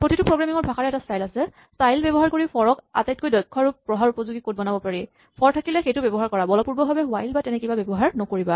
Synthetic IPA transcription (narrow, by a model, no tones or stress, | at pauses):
pɹotʰitʊpɹoɡɹamiŋɔɹbʱaxaɹɛɛtastajlasɛ | stajlbɛbɔɦaɹkoɹipʰɔɹɔka̰tajt̚kojdɔjkʰːɔaɹupɹɔɦaɹupɔzuɡikot̚bɔnabɔpaɹi | pʰɔɹtʰakilɛxejtʊbɛbɔɦaɹkɔɹabɔlɔpuɹbɔbʱabɛɦʊajlbatɛnɛkibabɛbɔɦaɹnɔkoɹiba